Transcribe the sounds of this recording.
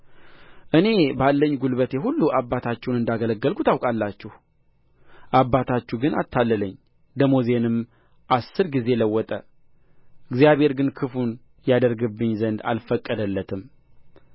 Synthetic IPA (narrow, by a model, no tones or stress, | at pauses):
ʔɨne̞balːəɲːɡulβət̪jɛɦulːuʔabːat̪ʰat͡ʃːɛwnɨnd̪aɡələɡːəlkʰut̪awkʼalːat͡ʃːɛh | ʔabːat̪ʰat͡ʃːuɡɨna̰t̪ːalːələɲː | d̪əmoze̞nɨm | ʔasːɨɾɡize̞ləwːɔt̪ʼə | ɨɡzjaβhe̞ɾɡɨnkʰɨfun | jad̪əɾɡɨbːɨɲːzənd̪a̰lfəkʼːəd̪əlːət̪ʰɨm